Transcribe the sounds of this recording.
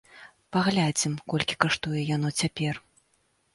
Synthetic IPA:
paɣlʲad͡zʲɛmkɔlʲkʲi̥kaʂt̪ujɛjan̪ɔt͡sʲapʲɛr

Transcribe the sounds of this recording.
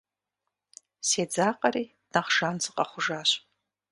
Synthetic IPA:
sed͡zaːqʼɐɾiː | naχʒanzɨqʼaχʷʊʒaːɕʼ

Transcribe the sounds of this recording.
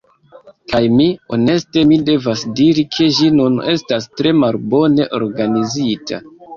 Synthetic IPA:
kajmio̞ne̞ste̞mide̞vasdiɾikʰe̞ʒinune̞stastɾe̞malbo̞ne̞ʔo̞̰ɾɡanizitʰa̰

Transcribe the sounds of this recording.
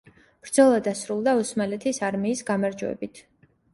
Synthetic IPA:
b̥ɾd̪zɔlˠad̪asɾulˠd̪ausmalɛt̪ʰisaɾmiːsɡamaɾd͡ʒuɛ̰bit̪ʰ

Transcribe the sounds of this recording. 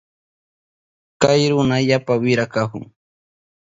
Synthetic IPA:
kajɾʊnaʎapawɪɾakahʊ̰ŋ

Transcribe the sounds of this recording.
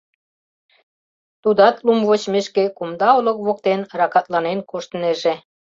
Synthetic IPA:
t̪ud̪ɑt̪lumvot͡ɕmeʃkekumd̪ɑolŏkβok̚t̪enrɑkɑt̪lɑnenkoʃt̪əneʒĕ

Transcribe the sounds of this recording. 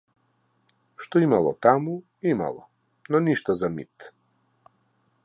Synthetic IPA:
ʃt̪oimalˠɔ̰t̪amu | ima̰lˠɔ̰ | nɔniʃt̪azamḭt̪

